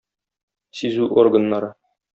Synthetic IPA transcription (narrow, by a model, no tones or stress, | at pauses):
sizʉʔorɡə̆nːɑɾɤ